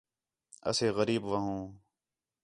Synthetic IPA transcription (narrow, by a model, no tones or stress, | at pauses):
ɐ̰seːɣəɾiːbʋɐɦũː